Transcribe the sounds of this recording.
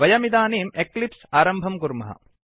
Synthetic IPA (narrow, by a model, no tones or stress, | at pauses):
ʋɐjɐmid̪aːneːmeklipsaːɾɐmbʱɐmkuɾmɐɦɐ̰